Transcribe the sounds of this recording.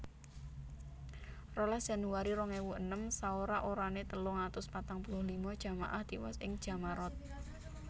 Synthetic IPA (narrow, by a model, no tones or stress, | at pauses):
rɔladʒ̥a̤nuwaɾiɾɔŋewuənəmsaoɾaʔoɾanet̪əlʊŋat̪ʊspat̪aŋpulʊhlimɔd̥ʒ̥a̤ma̰ʔahd̪̥iwɔ̰sɪŋd̥ʒ̥a̤maɾɔt̪̚